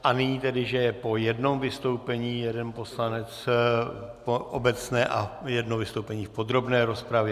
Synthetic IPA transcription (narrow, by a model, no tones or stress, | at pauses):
ʔanɪɲiːt̪ɛdɪʒɛjɛpo̞jɛdno̞mvɪst̪o̞wpɛɲiːjɛdɛnpo̞slanɛt͡s | poʔobɛt͡snɛːʔajɛdnovɪst̪owpɛɲiːfpod̪ɾo̞bnɛːɾo̞spɾavjɛ